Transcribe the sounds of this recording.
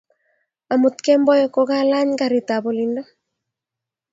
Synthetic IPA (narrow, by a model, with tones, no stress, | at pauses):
a˨mu˨tkɛ˦mbɔ˦je˦ko˦ɣa˦la˦ɲɡa˨ɾi˨ta˨bo˨lindɔ˦